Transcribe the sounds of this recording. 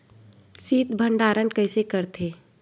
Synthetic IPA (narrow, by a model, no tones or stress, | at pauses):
siːt̪bʱəɳɖaːɾənkəɪsekəɾt̪ʰeː